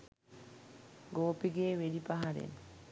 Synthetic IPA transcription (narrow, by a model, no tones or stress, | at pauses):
ɡoːpiɡeːʋedipaɦaɾḛn